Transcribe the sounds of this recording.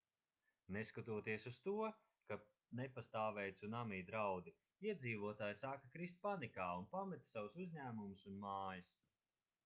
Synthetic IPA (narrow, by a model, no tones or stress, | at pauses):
neskat̪uɔt̪iɛsust̪uɔ | ka | nepast̪aːvɛjt̪sunamiːd̪ɾawd̪i | iɛd̪ziːvuɔt̪aːjsaːkakɾist̪̚panikaːunpamɛt̪sawsuzʲɲæːmumusunmaːjis